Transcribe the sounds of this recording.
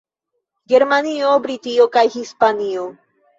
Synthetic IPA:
ɡe̞ɾmaniobɾitiokajhispanio

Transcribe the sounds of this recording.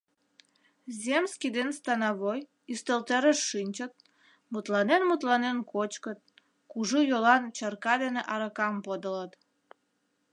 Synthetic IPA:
zʲemskid̪enst̪ɑnɑβoj | yst̪əlt̪eɾəʃːinʲt͡ɕət̪̚ | mut̪lɑnenmut̪lɑnenkot͡ɕkət̪̚ | kuʒujolɑnt͡ɕərkɑd̪eneʔɑɾəkɑmpod̪ələt̪

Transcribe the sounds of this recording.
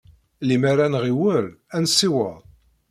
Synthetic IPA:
limaɾanʁiwəɾænsːiwəˤ

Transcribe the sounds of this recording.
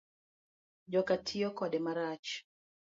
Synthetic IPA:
ʄɔkatʰiɔkɔɗɛmaɾat͡ʃ

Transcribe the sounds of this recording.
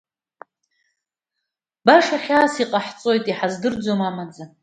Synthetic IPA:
baʂaχʲaːsiqʼaħt͡sʼo̞jtʼiħazdɨrd͡zo̞mamad͡za

